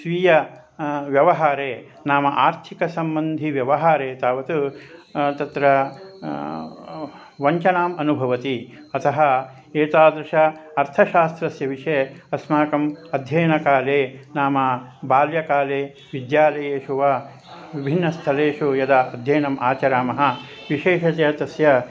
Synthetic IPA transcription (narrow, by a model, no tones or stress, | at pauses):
ʃʋiːjɐ | ʋjɐʋɐɦaːɾeː | naːmɐʔaːɾt̪ʰikɐsɐmbɐnd̪ʱiʋjɐʋɐɦaːɾeːt̪aːʋɐt̪u | t̪ɐt̪ɾɐ | ʋɐɲt͡ʃɐnaːmɐnubʱɐʋɐt̪i | ɐt̪ʰɐɦɐ | eːt̪aːd̪ɾɐʂɐɐɾt̪ʰɐʃaːst̪ɾɐsjɐʋiʂeːɐsmaːkɐmɐd̪ʱjɐːnɐkaːleːnaːmɐbaːljɐkaːleː | ʋid̪jaːlɐjeːʂuʋaː | ʋibʱinːɐst̪ʰɐleːʂujɐd̪ɐɐd̪ʱjɐːnɐmʔaːt͡ʃɐɾaːmɐɦɐ̆ | ʋiʃeːʃɐt̪jɐt̪ɐsjɐ